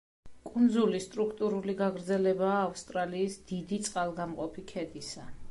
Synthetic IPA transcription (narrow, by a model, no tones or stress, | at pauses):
kʼund̪zulist̪ʼɾukʰt̪ʼuɾuliɡaɡɾd̪zɛlɛbaːfst̪ʼɾaliːsd̪̥id̪it̪sʼqʼalˠɡamqʼɔpʰikʰɛd̪isa